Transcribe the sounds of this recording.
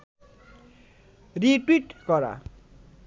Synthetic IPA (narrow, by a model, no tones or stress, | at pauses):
riʈwiʈkʌɾa̰